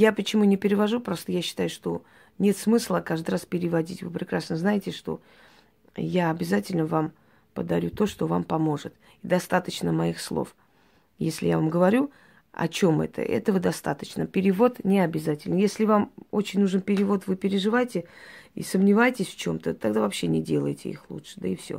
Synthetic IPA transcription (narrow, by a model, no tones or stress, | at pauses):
japət͡ɕɪmunʲɪpʲɪɾʲɪvɐʐupɾost̪əjaɕːɪ̥t̪ajʊʂt̪o̞ | nʲe̞t̪smɨslˠəkaʐd̪ɨraspʲɪɾʲɪvɐdʲitʲvɨpɾʲɪkɾasnəznajɪtʲɪʂt̪o̞̰ | jaɐbʲɪzatʲɪlʲnəvam | pəd̪ɐɾʲut̪o̞ʂt̪o̞vampɐmo̞ʐɨt̪ | id̪ɐst̪at̪ət͡ɕnəmɐixslˠo̰f | jesʲlʲɪ̰javamɡəvɐɾʲu | ɐ̰t͡ɕo̞mɛ̰t̪ə̰ʔɛ̰t̪əvəd̪ɐst̪at̪ət͡ɕnəpʲɪɾʲɪvo̞t̪nʲɪɐbʲɪzatʲɪlʲnjesʲlʲɪvamot͡ɕɪnʲnuʐɨnpʲɪɾʲɪvo̞t̪vɨpʲɪɾʲɪʐɨvajtʲɪḭsəmnʲɪvajtʲɪsʲft͡ɕo̞mt̪ət̪aɡd̪avɐpɕːe̞nʲɪdʲe̞lˠə̰jɪtʲɪ̰ḭxlˠṵtʂɨ̥d̪aɪfsʲo̞̰